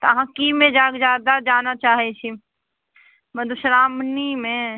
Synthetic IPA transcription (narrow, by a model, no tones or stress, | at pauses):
t̪ɦãkimẽd͡ʒaːkd͡ʒaːd̪ad͡ʒaːnat͡ʃaːɦɛt͡ʃʰi | məd̪ʱuʃɾaːmnimẽ